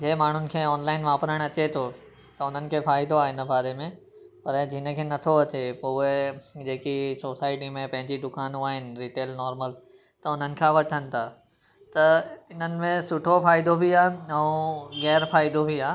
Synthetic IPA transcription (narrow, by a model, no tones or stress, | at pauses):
d͡ʑeːmaːɳ̤ʊnɪ̆kʰeːɔːnlaːɪnʋaːpɾəɽ̃ɐt͡ɕet̪ʰo | t̪ɐʊn̤ənɪ̆kʰeːfaːɪd̪oaːɪnə̆baːɾemẽ | pɐɾd͡ʑiːnə̆kʰeːnɐt̪ʰoɐt͡ɕepoed͡ʑeːkisoːsaːɪʈimẽpɐ̃ɦɪ̃ɲd͡ʑid̪ʊkaːnũaːɦɪnɪ̆ɾiːʈeːlnɔːɾməl | t̪ɐʊn̤ənɪ̆kʰãʋɐʈʰənɪ̆t̪ʰaː | t̪ɐɪn̤ənɪ̆mẽsʊʈʰofaːɪd̪obʱiaːɛ̃ɣɛːɾfaːɪd̪obʱiaː